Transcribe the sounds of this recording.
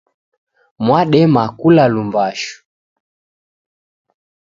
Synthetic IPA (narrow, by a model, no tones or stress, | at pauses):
mwaɗɛmakulalumbaʃu̥